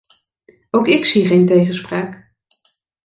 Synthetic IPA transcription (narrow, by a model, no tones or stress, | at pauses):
owkɪksiχejntejχəspraːk